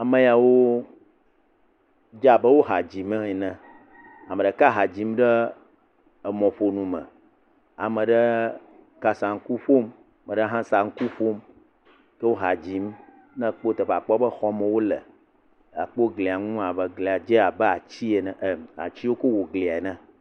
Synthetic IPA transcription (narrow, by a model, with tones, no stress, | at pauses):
a˨mə̃˨ja˨wo˦ | d͡ʒa˨bə˦wo˦ɦa˨d͡ʑi˨mə̃˦e˨nɛ̃˦ | a˨mə˨ɖə˦ka˦ɦa˨d͡ʑi˨˦m˦ɖə˦ | ə˨mɔ̃˨ɸo˨nũ˨mə̰̃˨ | a̰˨mə̃˨ɖə˦ | ka˦sa˨ŋ̩˦ku˦ɸo˦m˨ | mə̃˨ɖə˦ɦã˦sa˨ŋ̩˦ku˦ɸo˦m | kə˦wo˦ɦa˨d͡ʑi˨˦m | nɛ̃˦k͡po˦t̪ə˨ɸa˨k͡pɔ˦bə˦xɔ˦mə̃˨wo˦lə̰˨ | a˨k͡po˦ɡle˨a˨ŋũ˦a˨bə˨ɡli˨a˨d͡ʒe˦a˨bɛ˦a˨t͡ɕi˦e˨nɛ̃˨ʔa̰˨t͡ɕi˦wo˦ko˦wo˨ɡli˨a˨e˨nɛ̃˦